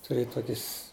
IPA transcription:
tʊˈrʲeːjɛ ˈtoːkʲɪs

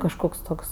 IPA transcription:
kɐʃˈkoːks ˈtoːks

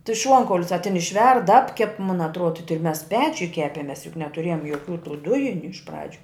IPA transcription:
tʲɪ ˈʃuɔŋkɐʊlʲʊs ɐ tʲɪn ɪʃʲˈʋʲɛrt ˈɑːpʲkʲɛp mʊn ɐtˈruɔdɐ tʲɪ mʲɛs ˈpʲæːt͡ʃʲʊj ˈkʲæːpʲɛmʲɛs jʊk nʲɛtʊˈrʲeːjoːm joːˈkʲuː tuː ˈdʊjɪnʲʊ ɪʃ ˈprɑːd͡ʒʲʊ

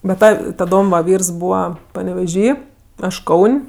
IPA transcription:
bʲɛ ˈtɐ tɐˈdoːm ʋɐ ˈʋʲiːrs ˈbuːʋɐ pɐnʲɛʋʲɛˈʒʲiː ˈɐʃ ˈkɐʊnʲ

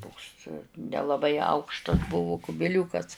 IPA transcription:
ˈtoːks nʲɛlˠɐˈbɐɪ ˈɐʊkʃtɐs ˈbʊʋʊ kʊbʲɪˈlʲuːkɐs

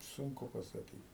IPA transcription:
ˈsʊŋkʊ pɐsɐˈkʲiːt

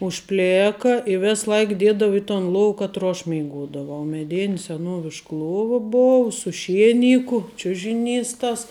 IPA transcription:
ʊʃʲˈpʲlʲeːkɐ ɪ ˈʋʲɛs ˈlˠɐɪk ˈdʲiɛdɐʋʊ ɪ toːn ˈlˠoːw kɐtˈroː ɐʃ mʲɛɪˈɡoːdɐʋɐʊ mʲɛˈdʲɪn sʲɛˈnuɔʋʲɪʃk ˈlˠuɔʋɐ ˈboːw sʊ ˈʃʲiɛˌnʲɪkʊ ˈt͡ʃʲʊʒʲɪˌnʲiːs tɐs

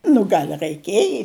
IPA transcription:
nʊ ˈɡɐlʲ rɐɪˈkʲiɛjɪ

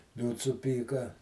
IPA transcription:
ˈlʲuːts sʊˈpʲiːkɐ

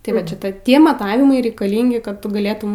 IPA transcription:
tɐɪ ˈʋɐt ˈʃʲɪtɐ ˈtʲiɛ mɐˈtɑːʋʲɪmɐɪ rʲɛɪkɐˈlʲɪŋʲɡʲɪ kɐt ˈtʊ ɡɐˈlʲeːtʊm

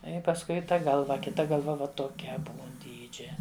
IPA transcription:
ɪ pɐsˈkʊɪ ˈtɐ ˈɡɐlˠʋɐ kʲɪˈtɐ ɡɐlˠˈʋɐ ˈʋɐ toːˈkʲɛ ˈbuːn ˈdʲiːd͡ʒʲɛ

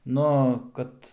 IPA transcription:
ˈnʊ ˈkɐt

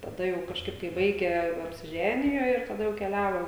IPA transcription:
tɐˈdɐ jɛʊ kɐʃˈkɐɪp kɐɪ ˈbɐɪɡʲæː ɐpʲsʲɪˈʒʲæːnʲɪjoː ɪr tɐˈdɐ jɛʊ kʲɛˈlʲæːʋoː

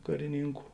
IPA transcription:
kɐrʲɪˈnʲiːŋkʊ

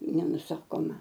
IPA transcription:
nʲɛnʊˈsɑːkoːmɐ

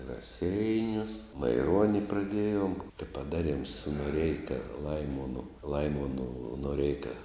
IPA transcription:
ɪ rɐˈsʲɛɪnʲʊs mɐɪˈruɔnʲɪ prɐˈdʲiɛjoːm tɐɪ pɐˈdɑːˌrʲiɛm sʊ noːˈrʲɛɪkɐ ˈlˠɐɪmoːnʊ ˈlˠɐɪmoːnʊ noːˈrʲɛɪkɐ

